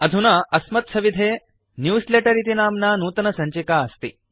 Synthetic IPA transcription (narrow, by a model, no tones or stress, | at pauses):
ɐd̪ʱunaːʔɐsmɐt̪̚sɐʋid̪ʱeː | njuːsleʈɐɾit̪inaːmnaːnuːt̪ɐnɐsɐɲt͡ʃikaːɐst̪i